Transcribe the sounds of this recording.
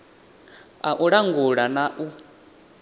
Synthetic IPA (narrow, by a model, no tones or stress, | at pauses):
aʔuɺaŋɡuɺanaʔu